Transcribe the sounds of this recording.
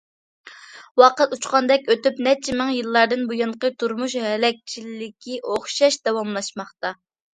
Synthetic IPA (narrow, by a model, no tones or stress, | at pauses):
wɑqət̪ut͡ʃqɑnd̪ɛkʲøt̪ypnɛt͡ʃʰimɪŋjɨlˠːɑɾd̪ɨnbujɑɴqət̪ʰuɾmuʃhɛlɛk̚ʲt͡ʃʰillɪkʲʰiʔoχʃɑʃd̪̥ɑwɑmlˠɑʃmɑχt̪ɑ